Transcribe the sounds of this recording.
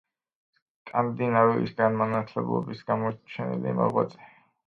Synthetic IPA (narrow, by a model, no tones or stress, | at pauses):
s | kʼand̪inaɾuḭsɡanmanat̪ʰlɛblˠɔ̰bisɡamɔt͡ʃʰɛnḭlḭmɔ̰ʁwat̪sʼɛ̥